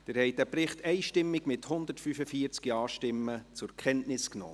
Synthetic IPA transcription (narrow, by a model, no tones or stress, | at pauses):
d̥ɪɾhɛj̚d̥æprɪχtʰɛɪʃtɪmːɪɡmɪthʊnd̪ətfyfəfiːəɾt͡skiɑːʃtɪmːət͡sʊɾkʰɛntnɪsknɔ̰ː